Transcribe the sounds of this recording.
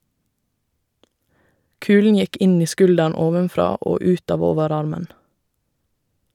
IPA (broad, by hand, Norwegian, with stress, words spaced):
ˈkʉːlɳ̩ ˈjɛk ˈɪn ˈiː ˈskʉldæɳ ˈoːʋənˌfɾɑː ˈoː ˈʉːt ˈɑːʋ ˈoːʋəˌɾɑɾmən